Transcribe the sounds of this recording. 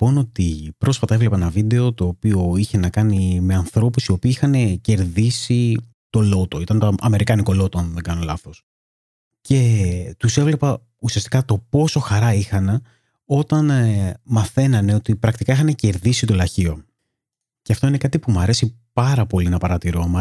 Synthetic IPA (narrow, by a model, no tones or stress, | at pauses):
po̞no̞t̪ipɾo̞sfɐt̪ɐevle̞pɐnɐvid̪e̞o̞t̪o̞ːpio̞içe̞nɐkɐnime̞ɐnθɾo̞pusio̞piːixɐne̞ce̞ɾðisi | t̪o̞lo̞t̪oit̪ɐnt̪oɐme̞ɾikɐniko̞lo̞t̪oɐnðeŋɡɐno̞lɐθo̞s | ce̞t̪use̞vle̞pɐ | usiɐst̪i̥kɐt̪o̞po̞so̞xɐɾɐixɐne | o̞t̪ɐnmɐθe̞nɐne̞o̞t̪ipɾɐkt̪ikɐixɐne̞ce̞ɾðisit̪o̞lɐçio̞ | ce̞ɐft̪o̞ine̞kɐt̪ipumɐɾe̞sipɐɾɐpo̞linɐpɐɾɐt̪iɾo̞mɐ